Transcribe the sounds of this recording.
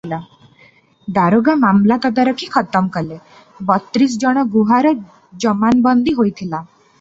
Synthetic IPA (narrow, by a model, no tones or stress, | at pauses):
la | d̪aɾoɡamamlat̪ɔd̪aɾɔkʰikʰɔt̪ɔmkɔle | bɔt̪ɾis̬d͡ʒɔɽ̃ɔɡuɦaɾɔ | d͡ʒɔmanbɔnd̪iɦojt̪ʰila